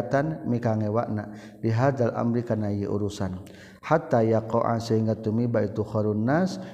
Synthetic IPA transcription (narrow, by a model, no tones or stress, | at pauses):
t̪anmikaŋɛwa̰ʔnaʔ | liɦad̪ala̰mɾikanajiʔṵɾusan | hat̪ajakoʔa̰nsɛiŋɡat̪umibait̪uxɔɾunːas